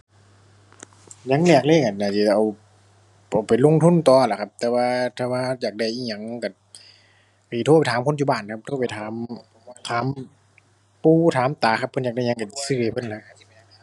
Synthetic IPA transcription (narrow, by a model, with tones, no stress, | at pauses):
ɲa˧˥ŋlɛː˧˩k̚leː˧˨ka˨˩naː˧˩si˧˩˧ʔa˨w | ʔa˨˩wpa˨˩lo˧˨ŋt̪ʰu˧˥˨nt̪ɔː˧˨la˧˩kʰa˧˩p̚t̪ɛː˧waː˧t̪ʰɛː˧˩waː˧jaː˨˩k̚da˧˩jʔi˧˩ŋɲa˨˧˦ŋ˧ka˧˩ | a˧˨˩i˧t̪ʰːpa˧˨jtʰaː˨˦mkʰo˧˥˨njuː˧˩baː˧˩nkʰa˧p̚t̪ʰoː˧˩pa˨˩jt̪ʰaː˨˦m | t̪ʰaː˨˦m | puː˧˥˨t̪ʰaː˨˦mt̪aː˨˦kʰpʰːnjaː˨˩k̚da˧˩jɲa˧ŋka˧˩˨sɯ˧˩a˧pʰɤ˧˨nla˧˥kʰa˧˩i˧˩mɛː˧˨˧